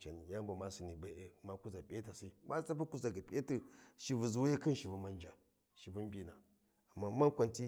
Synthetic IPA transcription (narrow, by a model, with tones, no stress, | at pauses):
t͡ʃa˨ni˨ja˦mba˨ma˦si˨ni˨ba˨˦ʔe˨ma˦ku˦za˨bʲi˦a˦ta˨si˦ma˦t͡sa˦pa˦ku˦za˨ɡa˨bʲi˦a˦ti˦ʃi˨vu˨zu˨wje˦kɨ˦nʃi˨vu˨ma˦nd͡ʒa˨ | ʃi˨vu˦n˦bi˦na˨ | a˨mːa˦ma˦nkʷa˨nti˦